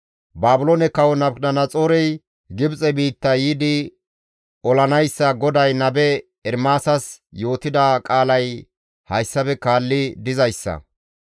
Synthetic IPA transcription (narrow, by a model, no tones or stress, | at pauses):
baːbʊloːnɛkɐwɔnɐbnɐnɐt͡sʼoːɾɛj | ɡɪbt͡sʼɛbiːt̪ːɐjiːd̪ɪ | ɔlɐnɐjsːɐɡɔd̪ɐjnɐbɛ | ɛɾmaːsɐs | jo̞ːt̪ɪd̪akʼaːlɐj | hɐjsːɐbɛkaːlːɪd̪ɪzɐjsːɐ̰